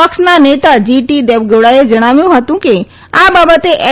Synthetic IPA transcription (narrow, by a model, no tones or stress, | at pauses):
əksnanet̪ad͡ʒiʈid̪eʋɡeɽaed͡ʒəɽ̃aːʋjũɦət̪ũke | abaːbət̪eʔɛ